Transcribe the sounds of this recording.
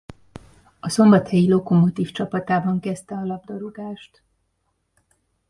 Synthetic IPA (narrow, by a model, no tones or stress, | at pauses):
ɒso̞mbɒt̪hɛjilo̞komot̪iːft͡ʃɒpɒt̪aːbɒŋkɛst̪ɛɒlɒb̚d̪ɒɾoɡaːʃt̪